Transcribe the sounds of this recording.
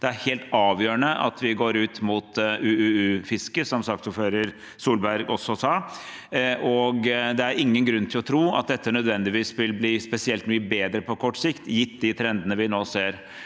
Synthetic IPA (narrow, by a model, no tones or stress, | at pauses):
d̪̥ɛæɾheːlt̪ɑːʋjøːɾəɳəʔɑ̰t̪ʰʋɪɡoːɾʉːt̪mʊt̪ʔʉːʉːʉːfɪskəsɔmsɑkt̪suːføːɾəɾ | suːlbæɾɡɔsɔsɑ | ʔɔɡd̪ɛæɾɪŋːənɡɾʉnːt̪ʰɪlɔt̪ʰɾuːɑ̰t̪̚d̪ɛt̪ʰːənœd̪ʋɛnd̪ɪʋiːsʋɪlbliːspɛsɪɛlt̪myːəbeːd̪ɾəpʰɔkʰɔʈːsɪkt̪jɪt̪ːd̪ɪt̪ʰɾɛnd̪ənəʋɪnoːseːɾ